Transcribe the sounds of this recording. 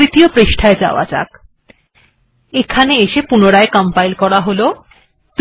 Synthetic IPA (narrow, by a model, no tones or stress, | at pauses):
it̪iopɾeʃʈʰaed͡ʑa̰oa̰d͡ʑa̰k | ekʰaneeʃepunoɽaekəmpajlkɔɽaɦolo | t̪